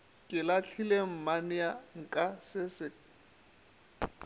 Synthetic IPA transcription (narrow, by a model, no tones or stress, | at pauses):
kʼɪlat͡ɬʰilem̩manɪaŋ̩kʼasɪsɪ